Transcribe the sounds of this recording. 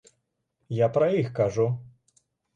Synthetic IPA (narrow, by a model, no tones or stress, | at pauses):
japɾɐjixkaʐu